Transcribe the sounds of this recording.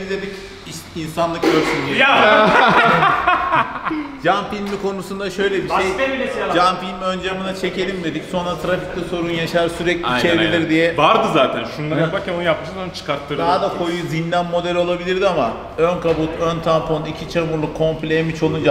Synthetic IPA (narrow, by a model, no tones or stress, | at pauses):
d̪ed̪ic | iinsanlˠɯkøɾsinia | d͡ʒanfilʲmikʰo̞nusund̪aʃø̞jlʲɛbiejeiid͡ʒanfilʲmø̞nd͡ʒamɯnat͡ʃʰe̞ce̞lʲimd̪e̞d̪icso̞nɾat̪ʰɾafic̚t̪ʲɛso̞ɾunjaʃaɾsyɾɛclʲit͡ʃeɾebilʲiɾd̪ijɛvaɾd̪ɯzaːt̪ʰænʃunˠaapaɾkʲʰænonjap̚ɯʃazont͡ʃʰɯ̥kaɾt̪ʰːɯɾd̪aɦd̪akʰo̞juzinlʲæmːo̞d̪ɛlʲo̞lˠabilʲiɾd̪iama | ønkʰabut̪ʰønt̪ʰampʰonicʰit͡ʃʰamuɾlˠukʰːo̞mplʲemit͡ʃʰo̞lˠund͡ʒa